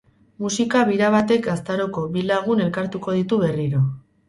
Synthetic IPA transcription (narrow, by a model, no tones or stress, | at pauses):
musikaβ̞iɾaβ̞at̪e̞kast̪aɾo̞ko̞βilaɣ̞une̞lkaɾt̪uko̞ð̞it̪uβe̞riɾo̞